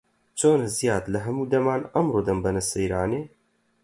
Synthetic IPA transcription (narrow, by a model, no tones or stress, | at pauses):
t͡ʃʰoːnɨzijaːt̪ləɦɐmuːd̪ɐmaːnɐmɾoːd̪ɐmbɐnɨsɐjɾaːneː